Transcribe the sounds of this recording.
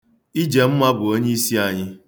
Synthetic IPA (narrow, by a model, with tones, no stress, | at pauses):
i˦d͡ʒe˨m̩˦ma˦ɡʷʊ˨o˦ɲe˦i˦si˦a˨ɲɪ˦